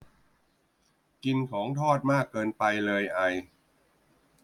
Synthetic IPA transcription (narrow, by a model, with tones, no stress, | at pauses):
ki˧nkʰɔː˩˦ŋt̪ʰɔː˥˩t̪̚maː˥˩kːɤː˧npa˧jlɤː˧jʔa˧j